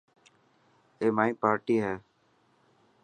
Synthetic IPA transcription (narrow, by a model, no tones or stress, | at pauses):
eːmaːĩːpaːɾʈiːɦɛː